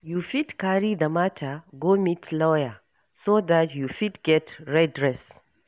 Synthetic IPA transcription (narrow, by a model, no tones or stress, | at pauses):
jufidkaɹiðəmatʰəɡomitlɔjə | soðatʰjufidɡɛtɹɛdɹɛs